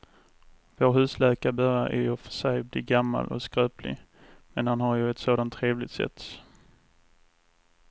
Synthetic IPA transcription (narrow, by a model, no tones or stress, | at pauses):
voːɾhʉ̟ːslɛːkabœɾjaʔæ̰ɾjɵfœ̥ʂɛjblɪɡamːa̰lʔɔ̰skɾøːplɪ̰ | mɛnhanɦaɾjɵɛt̪soːd̪ant̪ʰːɾeːvlɪt̪sɛ̰t̪ːs